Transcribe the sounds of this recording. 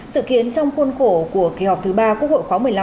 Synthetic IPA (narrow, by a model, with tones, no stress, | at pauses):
sɨ̰˧˨ki˨˧˨ənt͡ɕɔ˧wŋ͡mxu˧nxo˧˩ku˧˩əki˨˩hɔ˨˩k͡p̚t̪ʰɨ˨˦ɓaː˧kwək̚ho̰˧˨jxwaː˨˦mɨ˨˩əjl